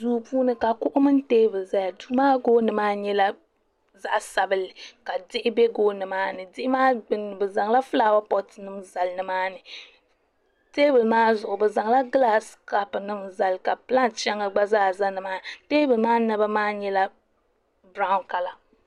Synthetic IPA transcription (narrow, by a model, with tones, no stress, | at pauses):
duː˦puː˦nɨ˦ka˨kʊ˦ʔʊ˦mɨ˦n˦teː˦bɨ˨lza˦ja˨du˦maː˦ɡoː˦nɨ˨maː˦ɲɛ˦la˦ | za˨ʔsa˨bɨ˨lɪ˨ka˨dɪ˦ʔɪ˦bɛ˦ɡoː˦nɨ˨maː˦nɨ˨dɪ˦ʔɪ˦maː˦ɡ͡bɨ˦nɨ˨bɨ˨za˨ŋla˦fɨ˦laː˦˨wa˦pɔ˦tnɨ˦mza˨lnɨ˨˦maː˦nɨ˨ | teː˦bɨ˨lmaː˦zʊ˨ʔʊ˨bɨ˨za˨ŋ˦la˦ɡla˦ska˦pnɨ˦mza˨lka˨pɨ˦la˦nt͡ʃɛ˦ŋa˦ɡ͡ba˦za˦˨za˦nɨ˨maː˦teː˦bɨ˨lmaː˦na˦ba˦maː˦ɲɛ˦la˦ | bɾa˦ʊ˦nka˨la˨